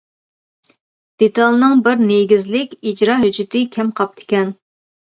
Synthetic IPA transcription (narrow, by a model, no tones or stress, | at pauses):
d̪̥et̪ʰɑlˠnɨŋbɪɾneɡʲizlɪkʲid͡ʒɾɑɦyd͡ʒɪt̪ʰɪkʲʰɛmqʰɑp̚t̪ʰɪ̥kʲɛn